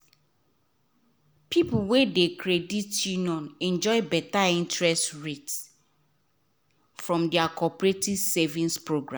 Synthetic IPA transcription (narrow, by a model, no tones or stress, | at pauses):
pʰipuwedekʰɹeditjunjɔ̃nɛ̃nd͡ʒɔɪbɛtaĩntɹɛstɹets | fɹɔ̃mdɛakʰɔpɹetiv̥sevĩnspɹoɡɹã̰